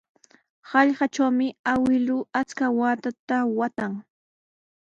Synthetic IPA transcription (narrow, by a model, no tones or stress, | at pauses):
hɑʎɢɑʈ͡ʂawmɪawɪlʊat͡skawaːt̪at̪awat̪aŋ